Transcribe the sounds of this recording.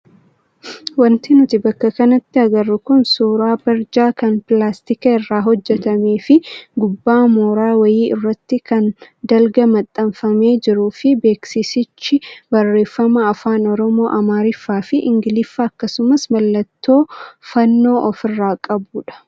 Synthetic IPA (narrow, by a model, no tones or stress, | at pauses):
wɐnt̪ɪnʊt̪ɪbɐkːɐkɐnɐt̪ːɪɐɡɐrːʊkʊnsuːɾaːbɐɾd͡ʒaːkɐnpɪlaːst̪ɪkɐɪrːaːɦɔd͡ʒːɛt̪ɐmeːfɪɡʊbːaːmoːɾaːwɐjiːʔɪ̰rːɐt̪ːɪkɐn | d̪ɐlɡɐmɐt̪ʼːɐɱfɐme̞ːd͡ʒɪɾʊfɪbe̞ːksɪsɪt͡ʃːɪbɐrːe̞ːfːɐmɐːfaːnɔɾɔmo̞ːʔɐmaːɾɪfːaːfɪʔɪŋɡɪlɪfːɐːkːɐsʊmɐsmɐlːɐt̪ːo̞ːfɐnːo̞ːʔɔfɪrːaːkʼɐbuːᶑɐ̥